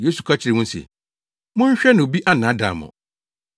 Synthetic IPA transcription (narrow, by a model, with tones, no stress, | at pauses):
je˦su˨kʰa˦t͡ɕʰɪ˨ɾɪ˨mʊ̃˦n˦sḛ˨ | mʊ̃˦ɲ̩˦ɕᶣɛ˦nã˨o˨bi˦ʔa˦nã˨˦da̰˨mʊ̰̃˨